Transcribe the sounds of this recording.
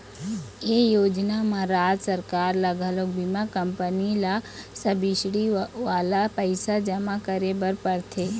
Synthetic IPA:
ejoːd͡ʒnamãɾaːd͡ʒsəɾkaːɾləɡʱalok̚bimãkəmpənilasəbiʃɽiʋaːlapəɪsad͡ʒəmãkəɾebəɾpəɾt̪ʰe

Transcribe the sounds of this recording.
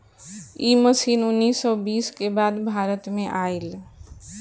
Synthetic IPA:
iməsinunːisːɔbiskebad̪bʱaɾət̪meʔael

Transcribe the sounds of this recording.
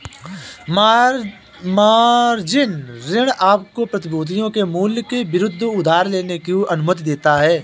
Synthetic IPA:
maːɾd͡ʒɪnɾɪɽ̃aːp̚kopɾɐt̪ɪboːt̪̬ijõkemuːljkebɪɾʊd̪ʱːʊd̪ʱaːɾleːnekeuʔɐnʊmət̪d̪eːt̪aɦɛː

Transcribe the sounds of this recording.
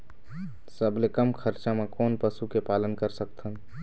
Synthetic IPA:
səblekəmkʰəɾt͡ʃamẽkɔːnpəsukepaːlənkəɾsək̚t̪ʰən

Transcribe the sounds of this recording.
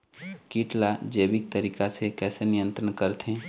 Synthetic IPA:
kiːʈlad͡ʒeːbɪk̚t̪əɾiːkasekɛːsenɪjə̃nt̪ɾənkəɾt̪ɦɛ̃ː

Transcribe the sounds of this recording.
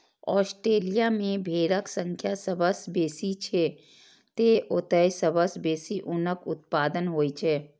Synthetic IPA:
ɔ̰ːsʈɾeːlijamẽbʱeːɾəksə̃ŋkʰjasəbəsbeːsit͡ʃʰe | t̪eʔot̪əjsəbəsbeːsiʔʊnəkʊt̪̚paːd̪ənɦoːit͡ʃʰeː

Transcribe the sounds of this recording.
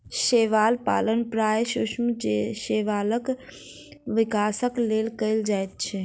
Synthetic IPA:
ʃeʋaːlpa̰ːlənpɾaːjʃʊʃmd͡ʒeʃeʋaːlək | ʋɪkaːsəklelkəɪld͡ʒaːjt̪̚t͡ʃʰɛ

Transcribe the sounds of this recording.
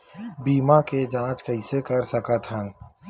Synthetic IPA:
biːmaked͡ʒãːt͡ʃkɐisekɐɾsɐkat̪ʰə̃n

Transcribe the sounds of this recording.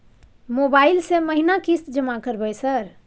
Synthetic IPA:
mobailseməɦinakist̪d͡ʒəmakəɾbəjsəɾ

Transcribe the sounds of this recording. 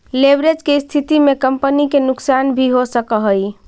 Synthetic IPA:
lebɾed͡ʒkeist̪ʰit̪imekəmpənikenuksanbʱiɦosəkəɦəj

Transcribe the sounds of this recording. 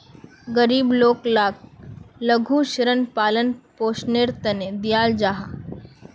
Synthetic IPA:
ɡəɾiːbloːklaːk̚lɐɡʱuʃɾənpaːlənpoːʃneːɾt̪ɐned̪ɪjaːld͡ʒaːɦa

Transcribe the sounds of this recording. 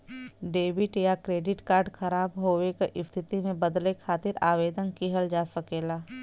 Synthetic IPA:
ɖeːbɪʈjakɾeːɖɪʈkaːɾɖxɐɾaːbɦoːʋekeʔɪst̪ʰɪt̪imẽbɐd̪lekʰaːt̪ɪɾaːʋeːd̪ənkiɦəld͡ʒaːsəkeːlaː

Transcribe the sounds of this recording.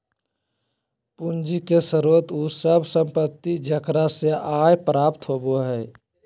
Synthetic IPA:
pund͡ʒikesəɾuːət̪usəbsə̃mpət̪ːid͡ʒəkɾaseʔaːjpɾaːpt̪ɦoːboɦɛː

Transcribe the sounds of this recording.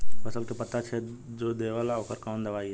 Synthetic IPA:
pɐsəlkepɐt̪at͡ʃʰed͡ʒoːd̪eːʋalaoːkəɾkɔːnd̪ɐʋaːiɛ

